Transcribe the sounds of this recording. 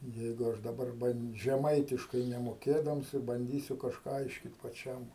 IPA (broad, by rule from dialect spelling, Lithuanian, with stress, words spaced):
ˈjɛɪɡʊ ˈɐʃ dɐˈbɐr ʒʲɛˈmɐɪtʲɪʃkɐɪ nʲɛmoːˈkʲeːdɐms ɪ bɐnʲˈdʲiːsʲʊ kɐʃˈkɑː ˈɐɪʃʲkʲiːt pɐˈt͡ʃʲɛm